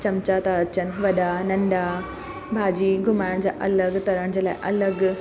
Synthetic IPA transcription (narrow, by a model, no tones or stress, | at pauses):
t͡ɕɐmt͡ɕat̪aɐt͡ɕənɪ̆ʋɐɗanɐ̃ɳɖa | bʱaːd͡ʑiːɡʱʊmaːɪɽ̃d͡ʑa̰ːʔɐləɡt̪ɐɾəɽ̃d͡ʑeːla̰ːɪʔɐləɡ